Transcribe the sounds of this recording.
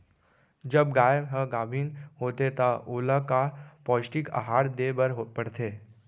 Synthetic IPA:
d͡ʒəbɡaːjəbɦəɡaːbʱiːnɦoːt̪et̪aʔoːlakapɔːsʈika̰ɦaːɽd̪ebəɾɦopəɽt̪ʰeː

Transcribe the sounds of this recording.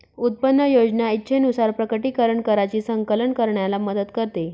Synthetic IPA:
ut̪̚pənːəjod͡ʑnjait̪ːɕʰenusaɾpɾəkəʈiːkəɾəɳkəɾat͡ɕiːsəŋkələɳkəɾɳjalaməd̪ət̪kəɾt̪e

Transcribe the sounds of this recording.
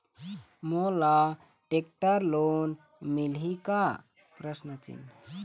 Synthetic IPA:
mola | ʈek̚ʈəɾlon | milɦika | pɾəsnət͡ʃḭn

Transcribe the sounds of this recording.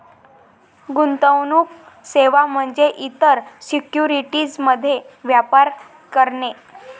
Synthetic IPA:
ɡunt̪əwnuːk | seʋam̤əɳd͡zeʔit̪əɾsikjuɾiʈid͡zməd̪ʱːje | ʋjapaɾ | kəɾɳe

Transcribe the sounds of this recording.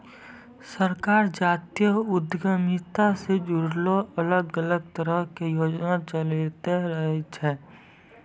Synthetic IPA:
səɾkaːɾd͡ʒaːt̪ijəʊd̪ɡəmit̪ased͡ʒʊɾloələɡələɡ̚t̪əɾəɦkejoːd͡ʒnat͡ʃəlit̪eɾəɦet͡ʃʰɛː

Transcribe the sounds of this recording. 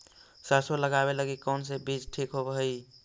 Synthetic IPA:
səsoləɡabeləɡikəʊnsebid͡ʒʈʰikɦobəɦəi

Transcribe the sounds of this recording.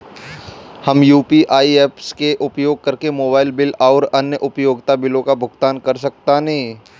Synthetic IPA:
hɐmjuːpiʔaːieːpskeʔʊpjoːɡ̚kɐɾkemoːbaːɪlbɪlaːɾɐnjəʔʊpjoːɡt̪abɪlõkabʱʊɡt̪aːnkɐɾs̬ɐk̚t̪anẽĩ

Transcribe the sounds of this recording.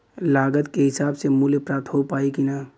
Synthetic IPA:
laːɡət̪keɦɪsaːbsemuljəpɾaːp̚t̪ɦopaːikina

